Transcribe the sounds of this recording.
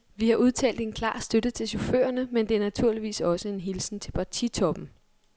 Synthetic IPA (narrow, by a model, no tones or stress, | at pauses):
ʋihɑ̈ʔuð̞ˠt͡sʰɛ̰ːld̥e̝nkʰlɑ̰̈ːsd̥ød̥ət͡sʰe̝lɕo̝fø̰ːɐnəmend̥e̝æɐnæt͡sʰuɐ̰liʋḭːsɒ̽səe̝nɦilsn̩t͡sʰe̝lpʰɑ̈t͡sʰit͡sʰɒ̽b̥m̩